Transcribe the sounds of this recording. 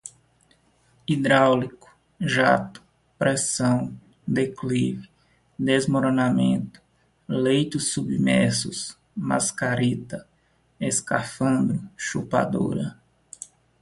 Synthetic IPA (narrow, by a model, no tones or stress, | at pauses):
id̪ɾawlikʊ̥ | ʒa̰t̪ʊ̥ | pɾɛsɐ̃w̃ | d̪eklivɪ | d̪ezmoɾõnamḛ̃nt̪ʊ̥ | lejt̪ʊsːubimɛɾsʊs | ma̰skaɾit̪ɐ | eskafɐ̃nd̪ɾʊʃupa̰d̪o̰ɾɐ̰